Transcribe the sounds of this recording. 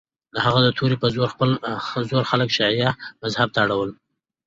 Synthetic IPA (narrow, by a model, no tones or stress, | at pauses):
lahaɣad̪ət̪ʰuɾipəzoɾxpəlzoɾxaləkʃɑijamazhab̚t̪aɽawəl